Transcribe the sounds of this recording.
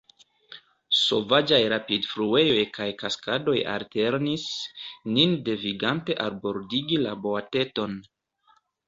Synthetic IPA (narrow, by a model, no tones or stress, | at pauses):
so̞vad͡ʒajɾapidfɾue̞jo̞jkajkaskado̞ja̰lte̞ɾnisninde̞viɡante̞ʔalbo̞ɾdiɡilaboate̞to̞n